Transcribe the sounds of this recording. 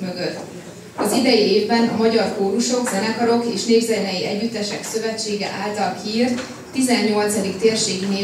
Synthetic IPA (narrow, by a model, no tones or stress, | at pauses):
møɡøt̪ː | ɒzid̪ɛjieːvbɛnɒmɒɟɒrkoːɾuʃo̞ɡzɛnɛkɒɾo̞keːʃneːɡzɛnɛjiɛɟːyt̪ːɛʃɛksø̞vɛt͡ʃːeːɡɛ̰ʔaːlt̪ɒlkʰiːrt̪ː | izɛɲːo̞lt̪sɒd̪ikt̪eːrʃeːɡneː